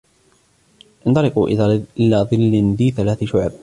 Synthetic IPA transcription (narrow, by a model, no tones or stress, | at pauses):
ʔɪnt̪ˤɑɾɪquʔɪlaːðˤɨlːɪnd̪iːθalaːθʃʊʕb̚